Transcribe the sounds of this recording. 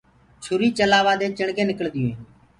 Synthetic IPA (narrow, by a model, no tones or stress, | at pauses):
t͡ʃʰʊɾiːt͡ʃəlaːʋaːd̪eːt͡ʃəɳɡẽːnɪkəɭd̪ɪjẽː